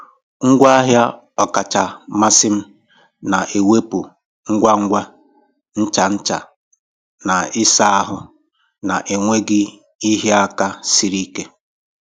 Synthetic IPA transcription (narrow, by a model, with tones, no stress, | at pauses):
ŋ̩˦ɡʷa˦a˦ɦja˦ | ɔ˨ka˨t͡ʃa˨ma˦sɪ˦m̩˦ | na˨ʔe˨we˦pu˨ | ŋ̩˦ɡʷa˦ŋ̩˦ɡʷa˦ | n̩˦t͡ʃa˨n̩˦t͡ʃa̰˨ | na˨ɪ˦sa˦a˦ɦʊ˨ | na˨ʔe˨ŋʷe˦ɡɪ˦ | i˦ɦe˦a˦ka˦si˦ɾi˦ke˦